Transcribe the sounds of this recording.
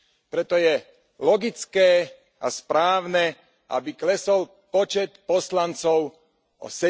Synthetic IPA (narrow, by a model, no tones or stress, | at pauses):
pɾɛt̪ɔjɛ | lɔɡit͡skɛː | ʔaspɾaːʊnɛ | ʔa̰biklɛsɔl | pɔt͡ʃɛt̪pɔslant͡sɔʊ | ɔ̰sɛ